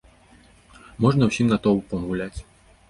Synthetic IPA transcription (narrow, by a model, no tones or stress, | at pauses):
mɔʐnɐwsʲimɡ̪at̪ɔwupɐmuwlʲat͡sʲ